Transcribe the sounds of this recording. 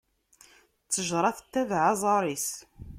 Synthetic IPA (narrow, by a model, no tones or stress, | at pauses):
t͡sːəʒɾˤɑθət̪ːæðʕɑzˤɑɾˤis